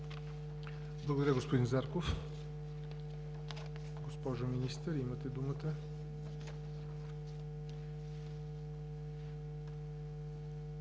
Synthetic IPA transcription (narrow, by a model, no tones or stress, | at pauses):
blˠɐɡod̪ɐɾʲjəɡospod̪inzaɾkof | ɡospɔʒominist̪əɾimət̪ɛd̪umət̪ə